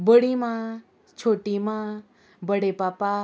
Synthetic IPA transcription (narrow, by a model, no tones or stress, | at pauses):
bəɽimã | t͡ʃʰoʈimã | bəɽepaːpa